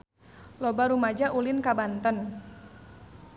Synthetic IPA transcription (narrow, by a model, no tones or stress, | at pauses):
lɔbaɾumad͡ʒaʔulinkabant̪ən